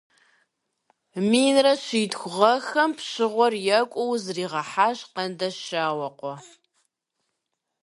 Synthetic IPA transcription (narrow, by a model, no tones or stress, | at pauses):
miːnrɐɕiːdxʷʊʁɐxɐmpɕɪʁʷɔrjɐkʷʼɔwzriːʁɐħaːɕqɐndɐʃaːwɐqʷɔ